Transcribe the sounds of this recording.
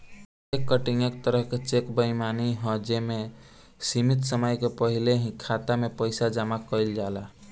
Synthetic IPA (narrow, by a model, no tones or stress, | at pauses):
ekːəʈiŋəkt̪əɾəɦket͡ʃekbəimaniɦɔ̃d͡ʒeme | simit̪səməjkepəɦileɦĩkʰːat̪amepəjsad͡ʒamakəjld͡ʒala